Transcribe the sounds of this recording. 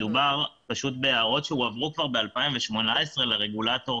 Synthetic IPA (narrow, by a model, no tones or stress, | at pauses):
dubaʁpaʃut̪beaːʁo̞tʃeuavʁukvaʁbe̞alpaimveʃmo̞nae̞sʁe̞leʁe̞ɡulato̞